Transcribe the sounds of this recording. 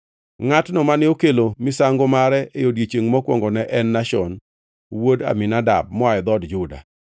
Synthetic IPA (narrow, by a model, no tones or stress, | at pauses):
ŋatnɔmanɪokelomɪsaŋɡomaɾɛʔejodjet͡ʃeŋmɔkwɔ̰ŋɡɔnɛʔɛnːaʃɔn | woda̰mɪnada̰b̚mɔaɛd̪ɔdd͡ʒʊda̰